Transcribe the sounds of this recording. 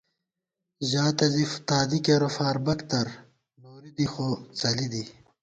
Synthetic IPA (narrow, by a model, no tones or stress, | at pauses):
ʑaːt̪ɐzift̪aːd̪ikeɾofaːɾbɐkt̪ɐɾ | noːɾid̪ixot͡sɐlid̪i